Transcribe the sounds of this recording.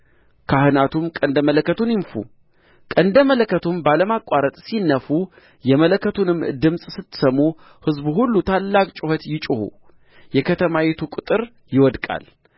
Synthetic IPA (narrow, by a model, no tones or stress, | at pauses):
kʰahɨnat̪ʰumkʼənd̪əmələkːət̪ʰunjɪnfṵ | kʼənd̪əmələkːət̪ʰumbaləmakʷʼaɾət̪ʼsinːəfu | jɛmələkːət̪ʰunɨmːd̪ɨmsʼsɨt̪ːsəmːu | hɨzbuɦulːut̪ʰalːakʼt͡ʃʼʊhət̪jɪt͡ʃʼʊhṵ | jɛkʰət̪ʰəmawit̪ʰukʼʊt̪ʼɨɾ | jɪwɔd̪kʼa̰l